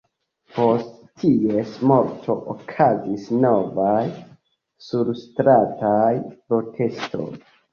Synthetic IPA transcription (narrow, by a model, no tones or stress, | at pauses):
po̞st | tʰiesmo̞ɾtʰo̞ʔokʰazisno̞vaj | suɾstɾatajpɾo̞tʰe̞sto̞̰j